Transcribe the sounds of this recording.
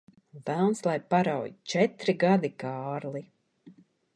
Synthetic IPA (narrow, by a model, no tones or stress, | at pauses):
væwnslˠajpaɾawjt͡ʃɛt̪ɾiɡad̪ikaːɾlˠi